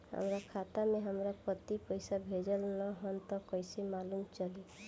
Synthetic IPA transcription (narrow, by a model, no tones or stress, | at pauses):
ɦə̰mɾakʰat̪ameɦəmɾapət̪ipəɪsabʱed͡ʒəlnəɦənt̪ɔkəjsemalumt͡ʃəli